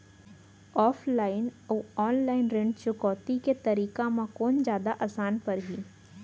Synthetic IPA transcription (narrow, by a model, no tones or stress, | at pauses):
ɔːpʰlaːɪnəʋɔːnlaːɪnɾẽɳʈt͡ʃʊkɔːt̪iket̪ɐɾiːkamãkɔːnd͡ʒjaːd̪aʔaːsaːnpɐɾɦi